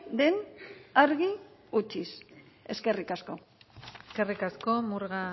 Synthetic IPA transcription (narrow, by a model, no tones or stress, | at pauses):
d̪e̞naɾɣiut͡ʃis | e̞ske̞rikasko̞ | eske̞rikasko̞muɾɣa